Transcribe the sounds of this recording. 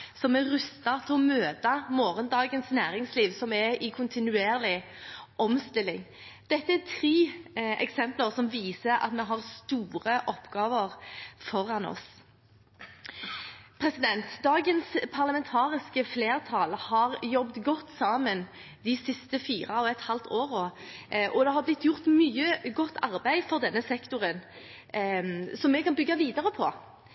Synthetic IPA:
sɔmɛɾʉst̪ɑt̪ʰɪɔmøːt̪ɑmoːʁənd̪ɑːɡənsnæːɾɪŋsliːʋsɔmɛɪkʰʊnt̪ʰɪnʉeːʁlɪ | ʔɔmst̪ɪlɪŋ | d̪̥ɛt̪ːəæt̪ʰɾiːɛ̰ksɛmpləʁsɔmʋiːsəɾɑ̰t̪mɛɦɑʁst̪uːɾəʔɔpːɡ̥ɑːʋəʁfɔɾɑnɔ̰s | pʰʁɛsɪd̪ɛnt̪d̪ɑːɡənspʰɑʁlɑmɛnt̪ʰɑːʁɪskəfleːʁt̪ʰɑːlhɑʁjɔbd̪ɡɔt̪ːsɑːmən | d̪ɪsɪst̪əfiːʁɑɔɛt̪hɑlt̪ʰoːʁɔʔɔd̪ɛhɑɾʁblɪt̪ːjʊʁt̪myːəɡɔt̪ːɑʁbæɪfɔʁd̪ɛnːəsɛkt̪ʊʁən | sɔmːɛkʰɑnbʏɡːɑʋiːd̪ɑʁəpʰɔ

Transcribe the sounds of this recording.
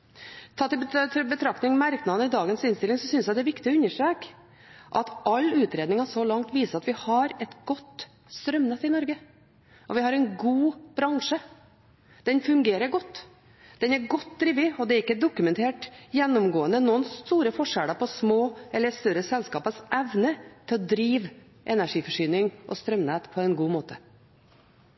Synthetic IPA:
t̪ʰɑːt̪ɪbbət̪ʰɾɑkt̪ɪŋmæɾknɑnəɪd̪ɑːɡənsɪnst̪ɪlɪŋsɔsʏnsjæd̪ɛɾʋɪkt̪ɪɔʉnːəʂʈɾeːk | ʔɑt̪ʔɑlːʉːt̪ɾeːd̪ɪŋɑsɔlɑŋt̪ʋiːsəɾɑt̪ʋɪhɑɾɛt̪ɡ̥ɔt̪ː | st̪ɾœmnət̪ːɪnɔɾɡə | ʔɔʋɪɦhɑɾɛnɡuːb̥ɾɑŋʂə | d̪̥ɛnfʉŋɡeːɾəɡɔt̪ː | d̪̥ɛnæɾɡɔt̪ːd̪ɾiːʋɪɔd̪ɛæɾɪkːəd̪ʊkʉmɛnt̪ʰeːʈjɛnːɔmɡoːənənuːənst̪uːɾəfɔʂæɽɑpʰɔsmoːɛlːəst̪œɾəsɛlskɑːpəsʔɛʋnət̪ʰɪlɔd̪ɾiːʋ | ʔɛnæʂiːfɔʂyːnɪŋʔɔ̰st̪ɾœmneːt̪pʰɔɛɪnɡuːmoːt̪ʰə

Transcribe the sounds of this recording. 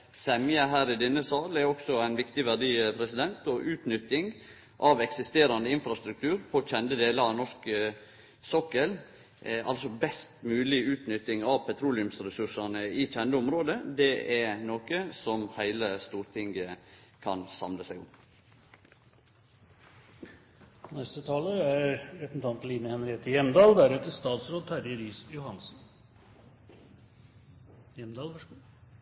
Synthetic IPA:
sɛmjəɦæːɾɪd̪ɪnːəsɑːlæɾɔksɔæɪnʋɪkt̪ɪʋæɖiːpʰɾɛsɪd̪ɛnt̪ɔʔʉːt̪nʏt̪ɪŋ | ʔɑʋɛksɪst̪eːɾɑnd̪əɪnfɾɑst̪ɾʉk̚t̪ʰʉːɾpʰɔc͡çɛnd̪əd̪eːləɾɑʋnɔʂkə | sɔkəl | ɑ̰lsɔbɛst̪mʉːlɪʉːt̪nʏt̪ːɪŋɑʋpʰɛt̪ʰɾuːlɪʉmsɾɛsʉʂɑnəɪc͡çɛnd̪əʊmɾoːd̪əd̪ɛɛɾnoːkəsɔmhæɪləst̪uːɾt̪ʰɪŋɡəkʰɑnsɑ̰mləsæɪʊ̰m | nɛst̪ət̪ʰɑːləæɾɾɛt̪n̩t̪ʰɑnpəliːnəhɛnɾɪeːt̪əjɛmd̪ɑːld̪æɾɛt̪ːəst̪ɑːt̪sɾoːd̪̚hʰæɾjəɾiːsjʊhɑnsn̩ | jɛmd̪ɑːlf

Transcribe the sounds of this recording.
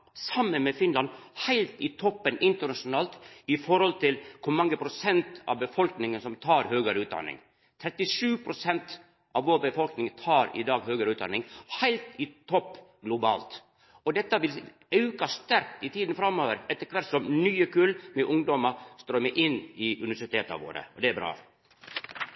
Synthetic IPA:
sɑmːənmɛfɪnlɑnhæɪlt̪ɪt̪ʰɔpːənʔɪnt̪ənɑʂʊnɑːlt̪ɪfɔɾhɔlt̪ʰɪlkʰʊmɑŋːəpʰɾʊsɛnt̪ɑ̰ʋbəfɔlknɪŋənsɔmt̪ʰɑːɾhøːɡəɾʉːt̪̚d̪ɑ̰nɪ̰ŋ | t̪ʰɾɛt̪ːɪʂʉːpʰɾʊsɛnt̪ | ʔɑʋʋoːɾbəfɔlknɪŋt̪ʰɑːɾɪ̰d̪ɑːɡhøːɡəɾəʉːt̪̚d̪ɑ̰nɪŋhæɪlt̪ɪt̪ʰɔpːɡlʊbɑ̰ːlt̪ | ɔd̪ɛt̪ːəʋɪl | ɑʉkɑst̪æɾk̚t̪ɪt̪ʰiːd̪n̩fɾɑmːoːʋəɾɛt̪ːəɾkʰʋæʈ̪sɔmnyːəkʰʉlmɛʔʊŋd̪ɔməst̪ɾoːmɛʔɪnːɪʔʉnɪʋæʂɪt̪ʰeːt̪ɑ̰ʋo̰ːɾə̰ɔd̪ɛæbɾɑ̰ː

